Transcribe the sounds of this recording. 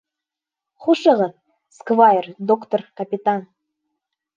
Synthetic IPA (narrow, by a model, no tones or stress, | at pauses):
χuʃɤʁɤ̆ | skvɑjərd̪okt̪orkapʲit̪ɑn